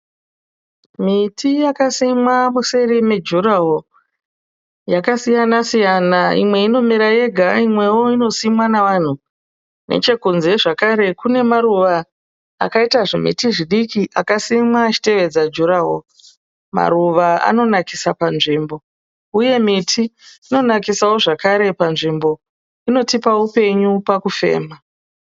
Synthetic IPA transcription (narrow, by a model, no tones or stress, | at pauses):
mitijakasimwamuse̞rimed͡ʒuɾaɦo | jakasijanasijanaḭmwe̞ino̞miɾaje̞ɡʱaimwe̞woino̞simwanaʋan̤u | nʔe̞̰t͡ʃe̞kunze̞ʐakaɾe̞kune̞maɾuʋa̰ː | kaitaʐḛmḭtiʐiɗikiʔakasimwaːt͡ʃi̥te̞ʋe̞d͡zad͡ʒuɾaɦo | ma̰ɾuʋaa̰no̞naki̥sapanʐiːmbo̞ | uje̞mitʰiːno̞nakisawo̞ʐakaɾe̞panʐimbo̞ | ino̞tipaupe̞ɲupakufe̞̰ːma